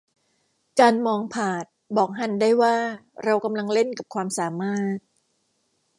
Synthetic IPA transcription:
kaː˧nmɔː˧ŋpʰaː˨˩t̪̚bɔː˨˩k̚ɦa˨˧˥ndaː˥˩jwaː˥˩ɾa˧wka˧mla˧ŋle˥˩nka˨˩p̚kʰwaː˧msaː˩˦maː˥˩t̪̚

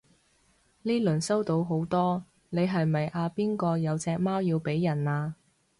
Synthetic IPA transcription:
liː˥lɵ˨˩nsɐ˥wt̪o˨˧wɦo˨˥wt̪ɔː˥ | ne˨˧jɦɐ˨jmɐ˨jʔaː˧piː˥nkɔː˧jɐ˨˧wt͡sɛː˧k̚maː˥wjiː˧wpe˨˥jːɐ˨˩naː˧

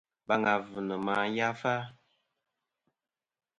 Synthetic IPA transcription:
ba˨ŋɡa˨vɨ˨nə˨ma˨ja˦fa˦

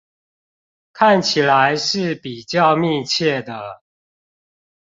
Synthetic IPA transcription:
kʰa˥˨nt͡ɕʰi˨˩la˨˦ɪʂɻ̩˥˩pi˨˩t͡ɕjɑ˥˧ʊmi˥˧t͡ɕʰjɛ˥˩d̪ə˩

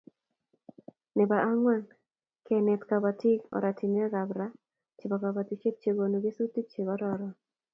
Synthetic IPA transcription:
nɪ˨ba˨a˦ŋwa˦n | ke˨nɛ˨t̪ka˨ba˨ti˦ɔ̰˨ɾʔa˨ti˨nɛ˦ɾa˨bɾa˦ | t͡ʃɪ˨bɔ˨ka˨ba˨t̪i˨t͡ʃe˦p̚t͡ʃe˨ɡo˨nu˨ɡe˦su˦ti˦t͡ʃe˨ɡɔ˦ɾɔ˨ɾɔ˨

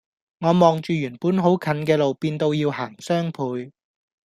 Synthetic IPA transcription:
ŋɔː˨˧mɔː˨ŋt͡ʃyː˨jyː˨˩npuː˨˥nɦo˨˥wkʰɐ˨˥nkɛː˧lo˨wpiː˧nt̪o˧wjiː˧whaː˨˩ŋsœː˥ŋpʰuː˨˧j

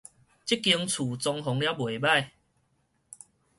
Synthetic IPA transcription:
t͡ɕi˦˥kːi˧əŋt͡sʰu˨˩t͡sɔ˧ŋɦɔ˨˧˦ŋlja˦bwe˨˩ba˥˨j

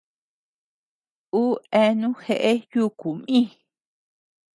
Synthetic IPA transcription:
u˦e˧nũ˦xe˧ʔe˦ju˦ku˨mĩ˦

